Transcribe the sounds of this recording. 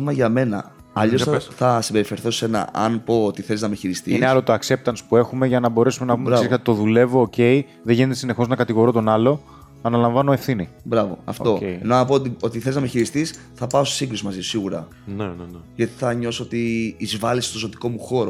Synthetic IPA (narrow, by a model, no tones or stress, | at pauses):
mɐʝɐme̞nɐ̰ | ɐʎossθɐsimbe̞ɾifeɾθo̞se̞nɐ̰ʔɐ̰npo̞ːt̪iθe̞liznɐmeçiɾist̪iineɐlo̞t̪o̞ɐkse̞p̚t̪ɐnspue̞xume̞ʝɐnɐbo̞ɾe̞sumenɐpumeɾɐseskɐt̪t̪o̞ðule̞voːce̞i | ðeʝinet̪esine̞xo̞znɐkɐt̪iɣo̞ɾot̪o̞nɐlo̞ | ɐnɐlɐɱvɐnoe̞fθinibɾɐvo̞̰ɐ̰ft̪o̞eḛnonɐpot̪io̞t̪iθeliznɐmeçiɾist̪is | θɐpɐose̥siŋɡɾusimɐziosiɣuɾɐ̰ | nnʝɐt̪i̥θɐɲo̞soot̪iːzvɐlist̪o̞zo̞t̪i̥ko̞muxo̞ɾo